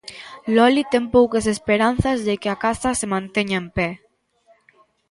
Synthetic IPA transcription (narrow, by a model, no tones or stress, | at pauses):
lɔlit̪ɛmpɔwkesespeɾan̟θazðekeakasasemãnt̪ɛɲaempɛ